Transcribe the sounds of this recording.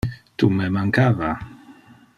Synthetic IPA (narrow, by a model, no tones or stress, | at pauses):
t̪umemaŋkaːva